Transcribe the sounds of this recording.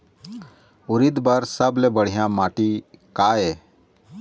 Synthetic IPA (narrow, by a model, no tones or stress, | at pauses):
ʊɾɪd̪bəɾsəblebəɽ̤ijãmaːʈikaːe